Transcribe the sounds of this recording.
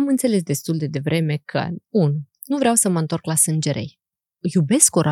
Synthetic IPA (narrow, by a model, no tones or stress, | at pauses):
amɨnt̪se̞le̞s̬d̪e̞st̪uld̪e̞d̪e̞vɾʔe̞me̞kʰə̰un | nuvɾeawsəməɨnt̪o̞rklasɨnd͡ʒe̞ɾe̞̰j | jube̞skoɾʔa